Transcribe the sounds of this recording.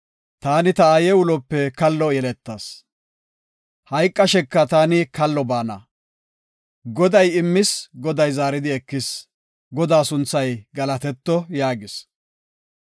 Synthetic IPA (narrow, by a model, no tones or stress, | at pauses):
t̪aːnɪt̪ɐaːjɛwʊlɔpːɛkɐlːɔjɛlɛt̪ːaːs | hɐjkʼːɐʃɛkːɐt̪aːnɪkɐlːɔbaːnɐ̰ | ɡɔd̪ɐjɪmːɪsɡɔd̪ɐjzaːɾɪd̪ɪɛkːɪs | ɡɔd̪aːsʊnt͡sːɐjɡɐlɐt̪ɛt̪ːɔjaːɡɪs